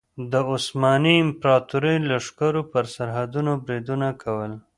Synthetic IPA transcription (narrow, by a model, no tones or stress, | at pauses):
d̪əʊsmɑniɪmpɾɑt̪uɾəjlaʂkaɾopəɾsaɾɦad̪unobɾid̪unakʰawəl